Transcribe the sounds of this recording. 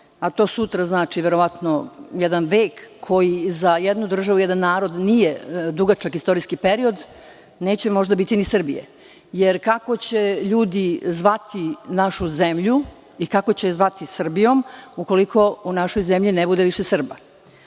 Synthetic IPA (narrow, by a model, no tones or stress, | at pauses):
at̪o̞ːsut̪ɾaznaːt͡ʃiʋeɾo̞ʋat̪nojed̪anʋeːkːʰo̞jizajed̪nud̪r̩ʒaʋujed̪anːaːɾo̞d̪nijed̪uɡat͡ʃakist̪o̞ɾiskipeɾio̞d̪ | ne̞ːt͡ɕemo̞ʒd̪abit̪inisr̩bijḛ | jeɾkako̞t͡ɕeʎuːd̪izʋat̪inaʃuze̞mʎu | ikako̞t͡ɕezʋat̪isr̩bijo̞muko̞likʰo̞unaʃojzemʎinebud̪eʋiʃesr̩ba̰